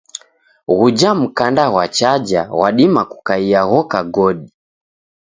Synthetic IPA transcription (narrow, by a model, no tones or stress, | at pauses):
ɣud͡ʒam̩kandaɣwat͡ʃad͡ʒawa̰ɗimaku̥kaiaɣɔkaɡɔɗi